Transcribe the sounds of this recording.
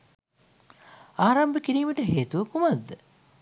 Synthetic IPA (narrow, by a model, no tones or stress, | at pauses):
aːɾambəkiɾiːməʈəɦeːt̪uʋəkumad̪ːə